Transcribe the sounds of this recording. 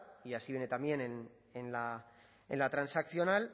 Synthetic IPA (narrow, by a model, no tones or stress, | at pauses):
iasiβjene̞t̪amje̞nen | enla | ḛnlat̪ɾansakθjo̞nal